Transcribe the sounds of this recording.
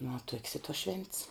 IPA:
nʊ ʋɐ tuɔkʲs ɪ tuɔs ʃʲʋʲɛnʲtʲs

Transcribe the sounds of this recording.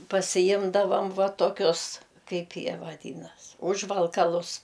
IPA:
pɐsʲɪˈjɪmdɐʋɐm ˈʋɐ toːˈkʲʊs ˈkɐɪp ˈjiɛ ʋɐˈdʲiːnɐs ˈʊʒʋɐlˠkɐlˠʊs

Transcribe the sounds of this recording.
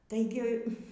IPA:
tɐɪˈɡʲɪ

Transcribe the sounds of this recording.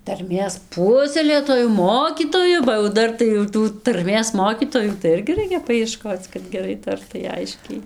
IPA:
tɐrʲˈmʲeːs ˈpuɔsʲɛlʲeːtoːjʊ ˈmoːkʲiːtoːjʊ bɐ jɛʊ ˈdɐr tɐɪ jɛʊ ˈtuː tɐrʲˈmʲeːs ˈmoːkʲiːtoːjuː tɐɪ ˈɪrʲɡʲɪ ˈrɐɪkʲɛ pɐɪɛˈʃkoːt͡s kɐt ɡʲɛˈrɐɪ ˈtɐrtɐɪ ˈɐɪʃʲkʲɛɪ

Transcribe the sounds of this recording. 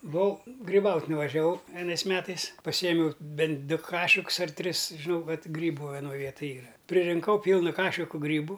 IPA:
bʊˈʋɐʊ ɡrʲɪˈbɐʊtʲ nʊʋɐʒʲɛˈʋɐʊ ʋʲiɛˈnɐɪs ˈmʲæːtɐɪs pɐˈsʲiːjɛmʲɛʊ ˈbʲɛnt ˈdʊ ˈkɑːʃʲɪkʊs ɐr ˈtʲrʲɪs ʒʲɪˈnɐʊ ˈkɐt ˈɡrʲiːbʊ ʋʲɛˈnoːj ˈʋʲiɛtɐj ˈiːrɐ pʲrʲɪrʲɪŋˈkɐʊ ˈpʲiːlˠnɐ ˈkɑːʃʲɪkʊ ˈɡrʲiːbʊ

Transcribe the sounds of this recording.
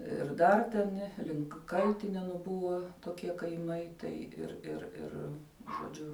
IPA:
ɪr ˈdɐr tʲɛn ˈlʲɪŋk kɐlʲtʲɪnʲɛnʊ ˈbʊʋɐ toːˈkʲiɛ kɐɪˈmɐɪ ˈtɐɪ ɪr ɪr ˈɪr ʒoːˈd͡ʒʲʊ

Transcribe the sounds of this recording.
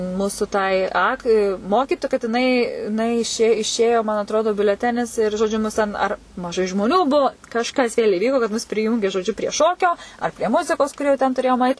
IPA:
ˈmuːsʊ tɐɪ ˈɐk ɪ ˈmoːkʲiːtʊ kɐt jɪˈnɐɪ ɪˈnɐɪ ɪˈʃʲeː ɪˈʃʲeːjoː mɐn ɐtˈroːdʊ bʲʊlʲɛˈtʲæːnʲɪs ɪr ʒoːˈd͡ʒʲʊ mʊs tʲɛn ˈɐr mɐˈʒɐɪ ʒmoːˈnʲuː ˈbʊʊ kɐʃˈkɐs ʋʲeːlʲ ɪˈʋʲiːkoː kɐt mʊs pʲrʲɪˈjuːŋʲɡʲeː ʒoːˈd͡ʒʲʊ pʲrʲiɛ ˈʃoːkʲoː ɐr pʲrʲiɛ ˈmʊzʲɪkoːs kʊr jɛʊ tʲɛn tʊˈrʲeːjoːm ɐɪt

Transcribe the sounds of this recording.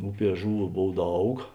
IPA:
ˈʊˌpʲiɛ ˈʒʊˌʋuː ˈboːw ˈdɐʊk

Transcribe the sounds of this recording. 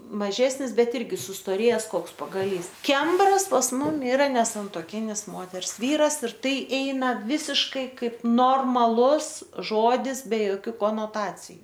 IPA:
mɐˈʒʲæːsʲnʲɪs ˈbʲɛt ˈɪrʲɡʲɪ sʊstoːˈrʲeːjɛs ˈkoːks pɐɡɐˈlʲiːs ˈkʲɛmbrɐs pɐs ˈmʊm ɪˈrɐ nʲɛsɐntuɔˈkʲɪnʲɪs ˈmoːtʲɛrs ˈʋʲiːrɐs ɪr ˈtɐɪ ˈɛɪnɐ ˈʋʲɪsʲɪʃkɐɪ ˈkɐɪp noːrmɐˈlˠʊs ˈʒoːdʲɪs bʲɛ joːˈkʲuː koːnoːˈtɑːt͡sʲɪjʊ

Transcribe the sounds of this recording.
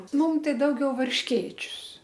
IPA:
ˈmʊm ˈtɐɪ ˈdɐʊɡʲɛʊ ʋɐrʲʃʲˈkʲeːt͡ʃʲʊs

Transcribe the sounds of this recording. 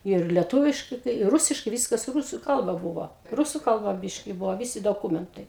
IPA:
iːr lʲɛˈtuːʋʲɪʃkɐɪ kɐɪ ˈrʊsʲɪʃkɐɪ ˈʋʲiːskɐs ˈrʊsʊ ˈkɐlˠbɐ ˈbʊʋoː ˈrʊsʊ kɐlˠˈbɐ ˈbʲɪʃʲkʲɪ ˈbʊʋoː ˈʋʲɪsʲɪ doːˈkuːmʲɛntɐɪ

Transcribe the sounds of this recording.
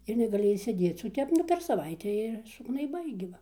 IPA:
ɪr nʲɛɡɐˈlʲɪ ɪʃʲsʲeːˈdʲeːt͡s oː ˈtʲɛp nʊ pʲɛr sɐˈʋɐɪtʲæː ɪr sʊɡnɐɪˈbɐɪ ɡʲɪ ˈʋɐ

